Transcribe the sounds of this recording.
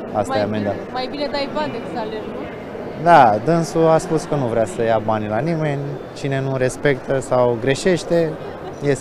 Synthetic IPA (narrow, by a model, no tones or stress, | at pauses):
astajamend̪amajbined̪ajbad̪eksalenu | d̪ad̪ɨnsuaspuskənuvɾeasəjabanʲlanime̞nʲ | t͡ʃine̞nuɾe̞spe̞kt̪ʰəsawɡɾe̞ʃe̞ʃt̪e̞ | jes